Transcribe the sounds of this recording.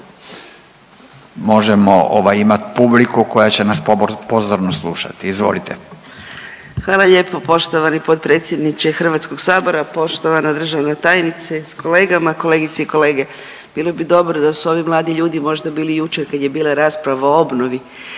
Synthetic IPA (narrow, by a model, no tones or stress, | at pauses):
mo̞ʒemo̰o̰ʋajimat̪i̥publikuko̞jat͡ɕenaspozoɾnoslˠṵʃa̰t̪iizʋo̞̰lit̪ʰḛ | xʋaːlˠaʎe̞ːpo̞po̞ʃt̪o̞ʋanipo̞t̪pɾe̞ːt̪sʲjed̪nit͡ʃexr̩ʋat̪sko̞ɡsaːbo̞ɾapo̞ʃt̪o̞ʋanad̪r̩ʒaʋnat̪aːjnit̪sesko̞le̞ːɡamako̞leːɡit̪seiko̞le̞ːɡe̞ | b̥iːlˠo̞bid̪o̞bɾod̪asuo̞ʋimlˠaːd̪iʎuːd̪imo̞ʒd̪abiːlijut͡ʃeɾkad̪je̞biːlˠaɾaːspɾaʋaoo̞bnoʋi